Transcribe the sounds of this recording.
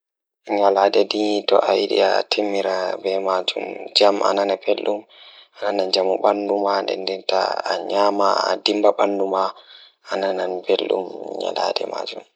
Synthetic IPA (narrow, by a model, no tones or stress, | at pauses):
ɲaladɛditɔʔajiɗḭatʰimːiɾabɛmad͡ʒumd͡ʒamʔa̰nanabelɗumananad͡ʒamuɓandumandɛ̰ndɛnta̰ːɲaːmaadimbaɓanduma | ʔanananbelɗṵmɲa̰la̰dɛ̰ma̰d͡ʒum